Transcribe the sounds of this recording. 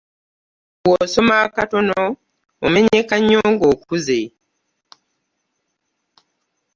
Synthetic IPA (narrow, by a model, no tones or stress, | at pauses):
woso̞maːkato̞noː | meɲekaɲːoːŋɡoːkuze